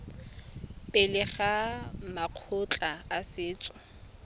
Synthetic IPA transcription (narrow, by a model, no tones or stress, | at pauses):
pʼɪlɪχamaq͡χʰʊt͡ɬʼaasɪːt͡sʼʊ